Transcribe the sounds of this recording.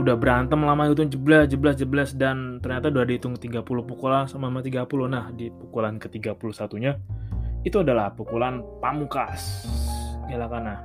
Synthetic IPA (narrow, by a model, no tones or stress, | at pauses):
udahbəɾant̪əmlamait̪̬ʊŋd͡ʒəblasd͡ʒəblas̬d͡ʒəbəlasdant̪ərɲat̪aduadait̪ʊŋkət̪iɡapulʊhpukolasamamat̪iɡapulʊhnahdipukulankət̪iɡapulʊhsat̪uɲait̪uadalahpukulanpamukas | ɡalahkanah